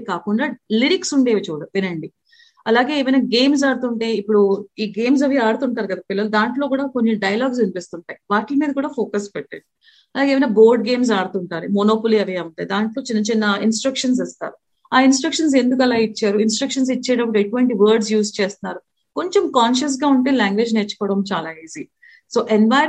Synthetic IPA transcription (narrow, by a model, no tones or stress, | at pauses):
kaːkuɳɖaːliɾiksuɳɖe̞ːʋit͡ʃuːɽɐʋinɐɳɖi | ɐlaːɡe̞ːeːʋɐjnaːɡe̞ːms̬aːɽut̪uɳʈe̞ːipːuɽuiːɡe̞ːms̬ɐʋiaːɽut̪uɳʈaːɾuɡɐd̪apilːɐlud̪aːɳʈlo̞ːkuːɽaːkonːiɖɐjɐlaːɡs̬ʋinipest̪uɳʈaːjiʋaːʈlɐmiːd̪ɐkuːɽaːfʰoːkɐspɛʈːɐ̰ɳi | ɐlaːɡeːʋɐjnaːbo̞ːɾɖɡe̞ːms̬aːɽut̪uɳʈaːɾimonoːpoliɐʋiɐuɳʈaːjd̪aːɳʈlo̞ːt͡ʃinːɐt͡ʃinːɐinsʈɾɐkʂɐns̬ɐst̪a̰ːɾu | aːinsʈɾɐkʂɐns̬e̞nd̪uk̬ɐlaːit͡ʃːaːɾuinsʈɾɐkʂɐns̬it͡ʃːɛːɽɐpːuʈeʈːuʋɐɳʈiʋɐːɾɖs̬juːst͡ʃeːst̪unːaːɾu | ko̞ɲt͡ʃemkaːnʃɐs̬ɡaːuɳʈeːlaːŋɡʋe̞ːd͡ʒnet͡ʃːu̥kɔːɽɐmt͡ʃaːlaːiːzi | so̞ːʔenʋaː